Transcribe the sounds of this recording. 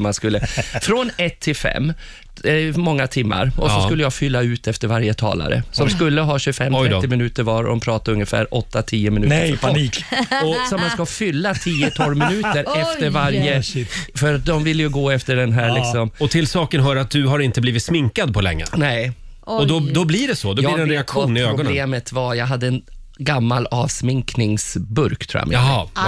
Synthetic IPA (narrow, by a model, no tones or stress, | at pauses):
mːanskɵlːəfɾɔnɛt̪ʰːɪlfɛ̰mː | mɔŋːat̪ʰɪmːa̰ɾɔsɔskkɵlːəjafʏlːaʉ̟ːt̪ɛft̪əɾvaɾjət̪ʰɑ̰ːla̰ɾə̰sɔmskɵlːəɦɑːɕʉfɛmɪmɪnʉ̟ːt̪əɾvɑːɾ̰d̪ɔmpʰɾɑːt̪aɾɵŋjəfæ̰ːɾʔɔt̪ːat̪ʰiːəmɪnʉ̟pʰaniːkɔsɔmanskafʏlːat̪ʰiːət̪ʰɔlmɪnʉ̟ːt̪əɾɛft̪əɾvaɾjəfœɾat̪̚d̪ɔmvɪlːjɵɡoːɛft̪əɖɛnɦæːɾlɪkssɔmɔt̪ʰɪlsɑːkənɦœːɾat̪̚d̪ɵɦaɾɪnt̪əbliːvɪt̪smɪŋkad̪̚pʰɔlɛ̰ŋːə̰nɛ | ɔd̪ɔd̪ɔbliɖɛsɔd̪ɔliɾɛnɾɛakɧuːnɪøːɾɡɔb̪eːmət̪vajɑːɡɦad̪ːəɛnɡamːalɑːvsmɪŋknɪŋsbɵɾkt̪ʰɾṵːja̰mɪ̰ɦɑ